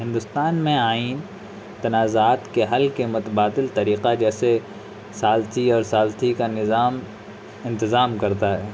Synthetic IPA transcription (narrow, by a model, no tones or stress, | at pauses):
ɦɪ̃nd̪ʊst̪aːnmẽaːiːn | t̪ɐnaːzaːt̪keɦɐlkemʊt̪əbaːd̪ɪlt̪ɐɾiːqad͡ʒɛːse | saːlt̪ʰiɔːɾsaːlt̪ʰikanɪzaːm | ɪ̃nt̪ɪzaːmkɐɾt̪aɦɛː